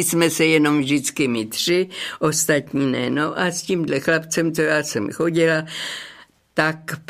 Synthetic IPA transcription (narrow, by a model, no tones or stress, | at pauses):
smɛsɛjɛno̞mvʒdɪt͡skɪmɪt̪r̥ɪʔo̞st̪at̪ɲinɛ̰no̞ʔasciːmdlɛxlapt͡sɛmt͡sojaːsɛmxo̞ɟɪla | t̪ak